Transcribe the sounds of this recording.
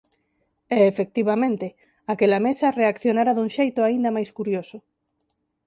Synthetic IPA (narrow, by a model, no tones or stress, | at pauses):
ɛːfek̚t̪iβamẽnt̪e | akelamesareakθjonaɾaðuŋʃejt̪oaind̪amajskuɾjosʊ